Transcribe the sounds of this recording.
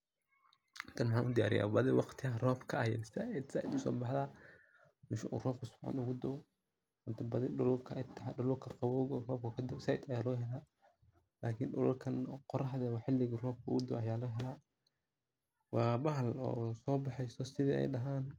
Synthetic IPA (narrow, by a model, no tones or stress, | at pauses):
nt̪ʰɐnħaʔʊd̪ɪja̰ːɾɪ̰ja̰ːbɐðɪwɑqt̪ʰɪɐrɔːfkʰɐɐjɛ̰sad̪saʔɪd̪ʊsɔ̰ːbɑħðaː | mɪʃɐʔṵːrɔːfkʰʊsʊ̥bħa̰nʊɣʊd̪ɔ | ʊnt̪ʰɐbɐðɪɖʊlʊlkʰɐʔɪt̪ʰːɐaɗʊlʊkʰɐqɑwɔːɣɔrɔːfkʰɐkʰɐd̪ɔwsɐɪd̪ɐjaːlɔːɦɛlaː | laːkʰinʊ̰lʊrkʰɐnqɔɾɐɦɐðɛwɑːħɪlːɪɣrɔːfkʰɐʔʊ̰ɣʊd̪ɔ̰ʔɐjaːlɔːɦɛlaː | wɑːbɐɦɐlɔ̰ːsɔːbɑħɛjsɔsɪðḭːʔɛ̰jɖɐɦaːn